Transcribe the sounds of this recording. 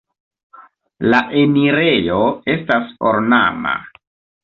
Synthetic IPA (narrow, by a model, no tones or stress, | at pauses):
laʔemiɾe̞jo̞e̞staso̰ɾna̰ma̰